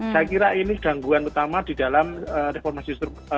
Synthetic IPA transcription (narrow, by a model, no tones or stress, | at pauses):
t͡ʃakiɾainiɡ̥a̤ŋɡuanut̪amad̥idalaməɾefɔrmasist̪ɾuk